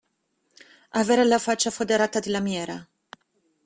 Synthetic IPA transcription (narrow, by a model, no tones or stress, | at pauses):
avɛːɾɛlafat͡ʃːafod̪ɛɾaːt̪ad̪ilamjɛːɾa